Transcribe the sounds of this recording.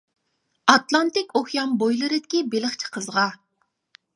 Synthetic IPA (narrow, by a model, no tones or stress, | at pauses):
ɑt̪lˠɑnt̪ɪkʲoχjɑmbojlˠɨɾɨd̪ɪkʲibeləχt͡ʃʰɪ̥qʰəzʁɑ